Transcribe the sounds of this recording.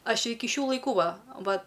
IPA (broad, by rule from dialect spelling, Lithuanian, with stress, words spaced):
ˈɐʃ ˈɪkʲɪ ˈʃʲuː lˠɐɪˈkuː ˈʋɐ ˈʋɐ